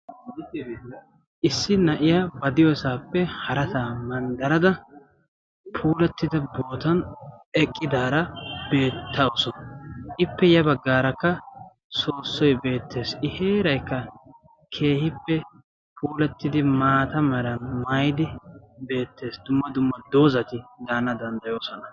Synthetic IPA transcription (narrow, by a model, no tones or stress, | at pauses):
ʔɪsːɪnɐʔɪjabɐd̪ɪjɔsaːpːɛhɐɾɐt̪aːmɐnd̪ɐɾɐd̪ɐ | pʰuːlɐt̪ːɪd̪ɐbo̞ːt̪ɐnɛkʼːɪd̪aːɾɐbe̞ːt̪ʰːɐɔsɔnɐʔɪpːɛjɐbɐɡːaːɾɐkːɐ | so̞ːsːɔjbe̞ːt̪ːe̞ːsɪhe̞ːɾɐjkːɐ | kʰe̞ːhɪpːɛ | pʰuːlɛt̪ːɪd̪ɪmaːt̪ɐmɛɾɐnmɐjɪd̪ɪbe̞ːt̪ːe̞ːsd̪ʊmːɐd̪ʊmːɐd̪o̞ːzɐt̪ɪd̪aːnɐd̪ɐnd̪ɐjo̞ːsɔnɐ